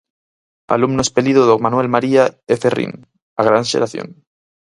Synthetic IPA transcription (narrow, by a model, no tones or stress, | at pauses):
a̰lumnoespeliðoðokmanwelmaɾiaeferḭn | aɣ̞ɾanʃḛɾaθjo̰n